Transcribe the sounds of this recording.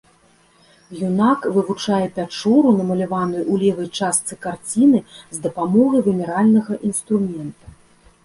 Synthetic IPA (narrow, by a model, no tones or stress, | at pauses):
junakvɨvut͡ʂajɛpʲat͡ʂɔɾunɐmɐlʲavanɐjʔulʲɛvɐjt͡ʂast̪sɨkart͡sʲinɨzd̪ɐpamɔɣɐjvʲɛnʲɛɾalʲnɐɣɐʔinst̪ɾumʲɛnt̪u